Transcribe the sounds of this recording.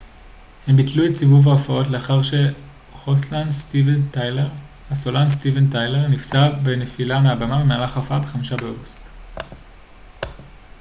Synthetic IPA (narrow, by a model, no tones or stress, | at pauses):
hembitluetsivuvaofao̞tle̞aχaʁʃe̞ | ʁoslanstiventjleʁ | hasolanstiventajle̞ʁnift͡sabe̞nefilameabamabemaːlaχaofabe̞χamiʃabeoɡust